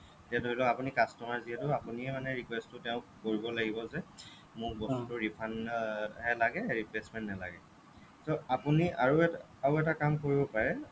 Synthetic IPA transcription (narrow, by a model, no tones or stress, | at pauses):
tɛtoilɔapunikastɔmaɹziɦɛtʊapuniɛmanɛɹikwɛstʊtɛʊ̃koɹibɔlaɡibɔzɛ | mʊkbɔstutʊɹipʰanɦɛlaɡɛɹiplesmɛntnɛla̰ɡɛ̰ | soapuniaɹuɛ | aɹʊɛtakamkoɹibɔpaɹɛ